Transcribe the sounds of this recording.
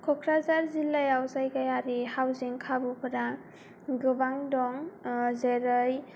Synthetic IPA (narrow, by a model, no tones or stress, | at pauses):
kʰɔkʰɾazaɾzilːajawzajkajaɾihawziŋkʰabupʰɯɾaŋ | ɡɯbaŋdɔŋzeɾɯj